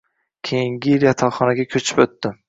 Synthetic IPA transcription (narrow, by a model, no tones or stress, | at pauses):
kʲʰejɪŋɡʲɪljat̪ʰɒlχɒnaɡʲakʲʰɵt͡ʃʰɪ̥pɵt̪ːɪ